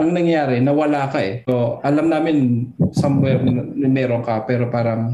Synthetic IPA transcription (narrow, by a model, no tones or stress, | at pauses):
ʔɐŋnɐŋjaːɾɛnɐwɐlaːkɐʔɛoʔɐlamnaːmɪnsɐmwɛɾmɛːɾo̞ŋkɐpɛːɾo̞paːɾɐŋ